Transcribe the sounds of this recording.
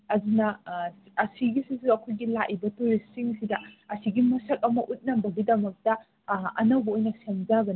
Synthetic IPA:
ɐzunɐ | ɐsiɡisisuɐkʰojɡilaʔibɐtoɾisiŋsidɐɐsiɡimɐsɐk̚ɐmɐʔut̚nɐmbɐɡidɐmɐk̚tɐ | ɐ̰nɐwbɐojnɐsemzaɡɐn

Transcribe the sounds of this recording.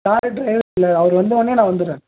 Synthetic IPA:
kaːɾɯɖɾɐɪʋɪlːɐɐʋɐɾɯʋɐnd̪ɯɔnːeːnãːʋɐnd̪ɯɾẽː

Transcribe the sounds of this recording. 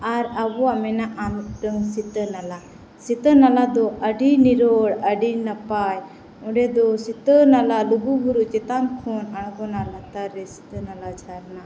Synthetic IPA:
aɾabɔamɛnaʔanɖəŋsit̪ənala | sit̪ənalad̪ɔʔəɖiniɾɔɽəɖinapaj | ɔ̃ɖɛd̪ɔsit̪ənalaluɡubʱuɾuʔt͡ʃɛt̪ankʰɔnaɽ̃ɡɔnalat̪aɾːɛsi̥t̪ənalad͡ʒʱaɾna

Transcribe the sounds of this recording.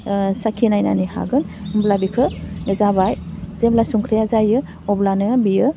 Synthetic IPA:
sakʰinajna̰niha̰ɡɯnmblabikʰɯɡɐzabajzeblasuŋkʰɾijazajɯ | ɔblanɯbijɯ

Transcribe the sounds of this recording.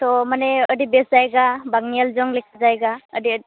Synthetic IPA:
t̪ɔmanɛədibeszajɡabaɡnialzɔŋlekʰazajɡaədi

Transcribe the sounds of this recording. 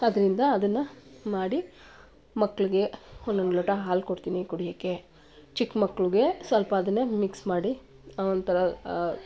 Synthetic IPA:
ɐd̪ɐɾind̪ɐːd̪ɐnːɐmaːɽi | mɐkːɐɭiɡe̞ond̪ond̪lɔʈɐɦaːlkoɽt̪iːnikuɽijɐkːe | t͡ʃikmɐkːɭuɡe̞sʋɐlpɐːd̪ɐnːɐmiksmaːɽi | ɐond̪t̪ʰɐɾɐ

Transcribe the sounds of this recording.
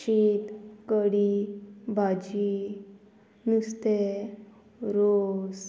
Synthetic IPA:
it̪kəɽibʱad͡ʑi | nust̪e | ɾos

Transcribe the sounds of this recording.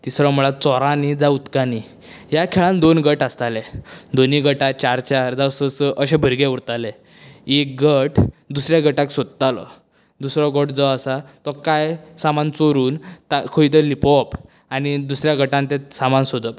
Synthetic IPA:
t̪isɾɔ̃muɭat͡sɔɾanid͡zaut̪kani | jakʰeɭãnd̪onɡəʈast̪aled̪oniɡəʈat͡ɕaɾt͡ɕaɾd͡zasəsʔəɕẽbʱəɾɡeuɾt̪ale | ek̚ɡəʈd̪usɾjaɡəʈaksod̪̚t̪alɔ̰ | d̪usɾɔɡɔʈd͡zɔasat̪ɔkajsamant͡soɾuːnt̪akʰəit̪əlipɔp | anid̪usɾjaɡəʈãnt̪ẽsamansod̪əp

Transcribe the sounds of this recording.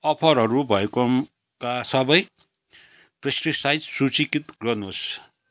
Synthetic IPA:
ʌpʰʌɾɦʌɾubʱʌekom | kasʌbʌj | prʌsriksajd͡zsut͡sikit̪ɡʌrnos

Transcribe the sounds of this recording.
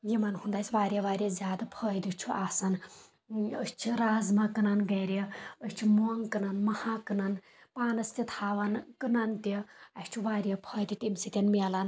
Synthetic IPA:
jimɐnɦund̪ajsʲʋaːɾʲjɐʋaːɾʲɐzʲjaːd̪apʰɐːjd̪ut͡ʃʰuʔaːsɐn | əst͡ʃʰiɾaːzmɐkɨnɐnɡɐːɾeət͡ʃʰumoːŋkɨnɐnmɐhaːkɨnɐn | paːnɐst̪ʲit̪ʰaːʋɐnkɨnɐnt̪iɐsʲt͡ʃʰuʋaːɾʲjɐpʰɐːjd̪it̪ʲimsikʲɐnmeːlɐn

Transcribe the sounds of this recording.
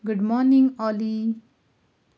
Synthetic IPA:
ɡuɖmɔniŋɔli

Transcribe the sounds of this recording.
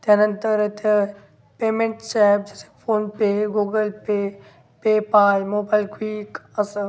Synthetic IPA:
t̪janɐnt̪əɾet̪ʰe | peːmẽɳʈsɛːpd͡ʒese̥fʰoːnpeɡuːɡəlpe | peːpaːjmoːbaːɪlkwiːkəs

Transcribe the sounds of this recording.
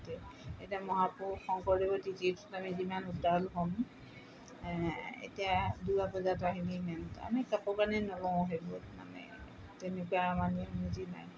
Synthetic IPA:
tɛetiamɔɦapuxɔŋkɔɾibɔdititɔ̥tamizimanudalɦɔm | ḛtijadujapɔzataɦilimɛnta̰mikapɔkanɛnɔlɔ̃ɔɦebotma̰nɛ̰ | tenekuaamaninizina̰j

